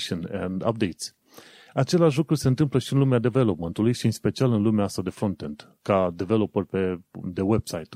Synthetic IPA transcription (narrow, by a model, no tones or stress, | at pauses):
ʃənḛnd̪a̰p̚d̪ejt̪sʲ | at͡ʃe̞leaʃ̬lukɾuse̞ɨnt̪ɨmpləʃiɨnlumead̪eve̞lo̞pment̪ulujʃiɨnspe̞t͡ʃialɨnlumeaast̪ad̪e̞fɾo̞nt̪e̞nt̪ | kad̪eve̞lopərpe̞d̪e̞we̞b̥sajt̪